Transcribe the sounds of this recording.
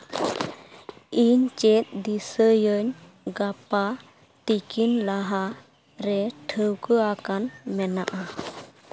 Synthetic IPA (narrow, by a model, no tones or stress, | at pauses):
iɲt͡ʃɛt̪̚ˀd̪isəjəɲ | ɡapa | t̪ikinlaɦa | ɾɛʈʰəwkəakanmɛnaʔa